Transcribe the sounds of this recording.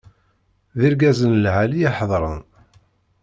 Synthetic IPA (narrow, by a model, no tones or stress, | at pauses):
ðiɾɡæzənlʕalijɑħðˤɾˤə̰n